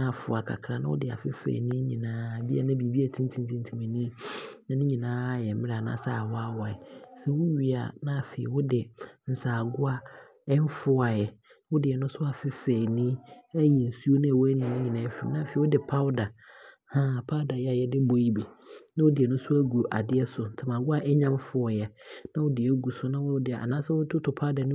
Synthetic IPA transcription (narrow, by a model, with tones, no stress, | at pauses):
nã˦˨fʊ˨a˨kʰa̰˨kʰɾã˨nã˦wʊ˦dɪ˨a̰˨fɪ˦fɛ̰ː˨nĩ˦ɲĩ˨nãː˦˨bi˦a̰˨nã˦bi˨bi˦æ˨tʰĩ˦n˦tʰĩ˦n˦tʰĩ˦n˦tʰĩ˨mɛ̃˨nĩ˦nã˨nʊ̃˦ɲĩ˨nãː˦jɛ˨m̩˦mɪ̃˦ɾa˨nã̰˦˨sa˦˨wa˦wa˨ɛ˨sɛ˨wʊ˦ɥi˨a̰˨nã˦˨fe˨ɪ˨wʊ˦dɪ˨n̩˨saː˨ɡʊ˦a˦ | ɛ˦m˦fʊ˦a˨jɛ˨˦ | wʊ˦dɪ˨ɛ˨nʊ̃˦sʊ˦a˨fɪ˦fɛː˨nĩ˦æ˦ji˨n̩˨su˦o˦nã˦a˨wʊ˦æ˦nĩ˨ɛ˦ɲĩ˨nãː˨˦fi˨nã˦˨fe˨wʊ˦dɪ˨pʰa˦da˨hã˦˨pʰa˦wda˨jɛ˦a˨jɛ˦dɪ˦bo˨i˦bi˨nã˦wʊ˦dɪ˨ɛ˨nʊ̃˦sʊ˦æ˦ɡu˨o˨ʔa˨dɪ˦ɛ˦sʊ˨n˨tʰa˨mã˨ɡʊ˦a˨ʔɛ˦ɲã˦m˦fʊ˦ɔ˨jɛ˦nã˦wʊ˦dɪ˨ɛ˦ɡu˨sʊ˦nã˦wʊ˦dɪ˨a̰˨nãː˦sɛ˦wʊ˦tʰʊ˦tʰʊ˨pʰa˦wda˨nʊ̃˦